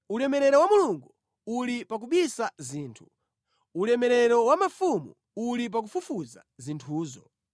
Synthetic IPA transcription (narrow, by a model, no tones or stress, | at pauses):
ulɛmɛɾɛɾɔwamuluŋɡu | ulipak̬uɓisaziːntʰu | ulɛmɛɾɛɾɔwamafumṵː | lip̬ak̬ufufuza̰zintʰuːzɔ̰